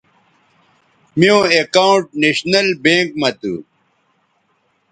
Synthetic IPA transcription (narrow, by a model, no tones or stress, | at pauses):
mijõːekauʈneɕnɐlbẽːŋk̚mɐt̪ṵ